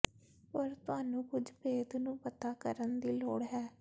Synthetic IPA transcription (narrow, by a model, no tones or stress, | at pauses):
pəɾt̪ʊaːnũːkʊd͡ʒpeːd̪nũːpət̪aːkəɾənd̪iːlɔ̰ːɽɦɛː